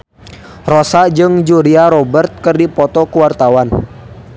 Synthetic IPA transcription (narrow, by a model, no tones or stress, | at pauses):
rɔsad͡ʒɨŋd͡ʒuɾiaɾɔbərt̪̚kɨrdipɔt̪ɔkuwart̪awan